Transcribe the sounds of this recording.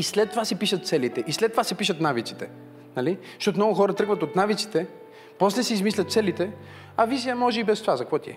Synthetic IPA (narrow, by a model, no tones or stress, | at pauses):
islɛt̪ːovasɛpiʃət̪t̪sɛlit̪ɛʔislɛt̪ːovasɛpiʃət̪navit̪si̥t̪ɛ | nali | ʃt̪ɔt̪omnɔɡʊxɔɾət̪ɤɡvət̪ot̪navit̪si̥t̪ɛ | pɔslɛsiizmislʲɐt̪sɛlit̪ɛ | ɐvizijəmɔʒɛibɛst̪ovazɐkvɔt̪iɛ̰